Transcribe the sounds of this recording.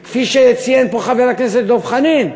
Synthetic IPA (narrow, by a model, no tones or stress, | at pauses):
kfiʃet͡sijenpoχaveʁlakneset̪̚d̪ovχanim